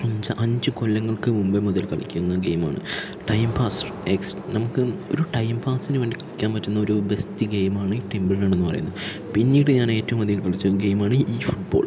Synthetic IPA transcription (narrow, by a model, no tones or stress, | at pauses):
ɐɲd͡ʑɐʔɐɲd͡ʑɨkolːɐŋːɐɭkɨmumbemuðɐlkɐɭḭkʲːunːɐɡejma̰ːɳɨ̰ | ʈɐjmpaːs | eksnɐmukːɨo̞̰ɾuʈɐjmpaːsinɨʋe̞ːɳɖikɐɭikʲːaːnpɐtːunːɐo̞ɾubest̪iɡejmaːɳɨiːʈembɐllaːɳe̞nːɨpɐrɐ̰junːɐðɨ | pinːiːʈɨɲaːne̞ːtːɐʋumɐðijmkɐɭit͡ɕːuɡe̞jmaːɳɨiːfuʈ̚boːl